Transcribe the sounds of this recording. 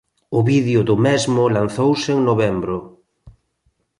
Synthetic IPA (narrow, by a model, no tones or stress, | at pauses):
ʊβiðjʊðʊmɛzmʊlan̟θowseŋnoβɛmbɾʊ